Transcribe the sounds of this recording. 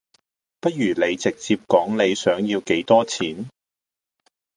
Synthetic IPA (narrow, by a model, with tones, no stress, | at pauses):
pɐ˥t̚jyː˨˩le˨˧jt͡sɪ˨k̚t͡siː˧p̚kɔː˨˥ŋle˨˧jsœː˨˥ŋjiː˧wke˨˥jt̪ɔː˥t͡sʰiː˨˥n